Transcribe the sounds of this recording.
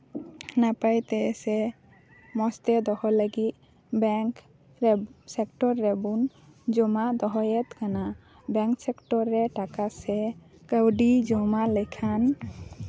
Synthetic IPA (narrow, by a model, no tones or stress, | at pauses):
napajt̪ɛsɛ | mɔst̪ɛd̪ɔhɔləɡit̪̚ | bɛŋk | sɛkʈɔɾːɛbun | d͡ʒɔmad̪ɔɦɔjɛt̪kana | bɛŋksɛkʈɔɾːɛʈakasɛ | kəwɖid͡ʒɔmaləkʰan